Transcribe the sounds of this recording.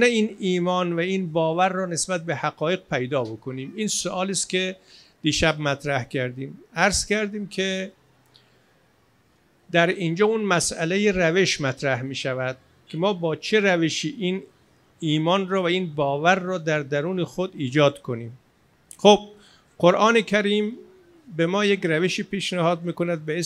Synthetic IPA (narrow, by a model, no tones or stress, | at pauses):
neiːniːmɒːnvæiːnbɒːvæɾːɔːne̞sbæt̪̚behæɡɒːjeɡ̚pʰejd̪ɒːbo̞kʰoniːmiːnsoʔɒːliːst̪kʲʰe̞d̪̥iːʃæbmæt̪ʰɾæhcʰæɾd̪iːmæɾz̥kæɾd̪iːmkʰe | d̪æɾind͡ʒɒːunmæsælejeræve̞ʃmæt̪ʰɾæhmiːʃævæd̪̥̚ | kʲʰe̞mɒːbɒːt͡ʃʰeɾæveʃiːʔiːn | iːmɒːnrɔːvæiːnbɒːvæɾːɒːd̪æɾd̪æɾuːnexod̪iːd͡ʒɒːd̪kʰo̞niːm | xob̥̚ | ɢoɾʔɒːnekʰæɾiːm | be̞mɒːjekɾæveʃiːpʰiːʃnæhɒːd̪̚miːkonæd̪̚bee